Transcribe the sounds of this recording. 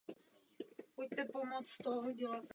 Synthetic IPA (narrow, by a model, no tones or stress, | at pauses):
puc̚t̪ɛpomot͡st̪oɦoɟɛlat̪